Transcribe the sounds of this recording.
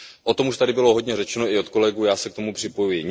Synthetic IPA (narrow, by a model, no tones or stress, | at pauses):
ʔo̞t̪o̞muʃt̪adɪbɪlo̞ɦodɲɛrɛt͡ʃɛno̞ɪo̞t̪ko̞lɛɡuːjaːsɛkt̪omupr̥ɪpo̞jujɪɲ